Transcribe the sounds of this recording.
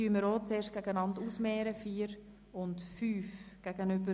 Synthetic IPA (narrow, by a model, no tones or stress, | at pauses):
yəməɾoːt͡seːɾʃ̚ɡ̥æɡənɑnduːsmɛːɾəfiːəɾ | ʊntfyːfɡ̥æɡ̥ənʏbə